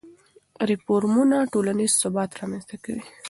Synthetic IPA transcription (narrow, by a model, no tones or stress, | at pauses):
ɾifoɾmunaʈolanizsʊbɑt̪ɾɑmanst̪akawi